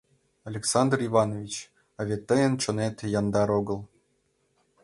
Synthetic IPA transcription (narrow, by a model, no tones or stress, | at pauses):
alʲeksɑnd̪rivɑnovʲit͡ɕ | ɑvʲet̪ːəjənt͡ɕŏnet̪ʲjɑnd̪ɑɾoɡɤ̆lˠ